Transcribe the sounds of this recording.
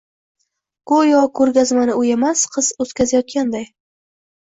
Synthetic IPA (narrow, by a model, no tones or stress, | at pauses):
kojɒkʰɵɾɡʲazmanɪojamasqʰɨz̥ɵt̪kʲazajɒt̪̚kʲand̪aj